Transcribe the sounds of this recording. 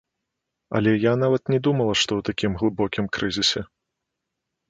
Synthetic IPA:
ɐ̰lʲɛjanavɐt̪nʲɛd̪umɐlˠɐʂt̪ɔwt̪akʲimɣlˠɨbɔkʲimkɾɨzʲisʲɛ

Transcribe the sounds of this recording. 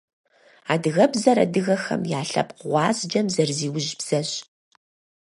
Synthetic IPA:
aːdɨɣɐbzɐɾɐ̰dɨɣɐxɐ̰mjaːɬɐ̰pqʁʷɑːzd͡ʒɐmzɐrziːwʊʒbz̥ɐɕ

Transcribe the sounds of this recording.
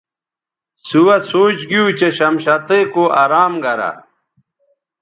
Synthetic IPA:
suwɐsoːt͡ɕɡijut͡ɕeɕɐmɕɐt̪ekoaɾaːmɡɐɾa̰

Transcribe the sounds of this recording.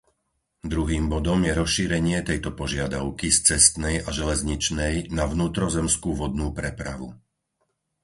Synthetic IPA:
d̪ɾuɦiːmbɔd̪ɔmjɛɾɔsʃiːɾɛɲɪɛt̪ɛjt̪ɔpɔʒɪad̪aʊkist͡sɛst̪nɛjaʒɛlɛzɲit͡ʃnɛjnaʋnuːt̪ɾɔzɛmskuːʋɔd̪̚nuːpɾɛpɾa̰ʋṵ

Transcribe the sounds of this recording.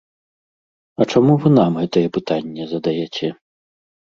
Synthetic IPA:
ɐt͡ʂamuvɨnamɣɛt̪ɐjɛpɨt̪anʲːɛzɐd̪ajɛt͡sʲɛ

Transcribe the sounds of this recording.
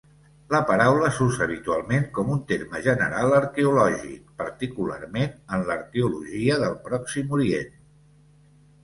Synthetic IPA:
ləpəɾawləsuɾzəːβ̞it̪ualˠmeŋkɔmunt̪eɾməʒənə̰ɾalˠəɾkeulɔʒḭk̚pəɾt̪ikula̰ɾmenənləɾkeuluʒiəðəlˠpɾɔksimuɾiḛn

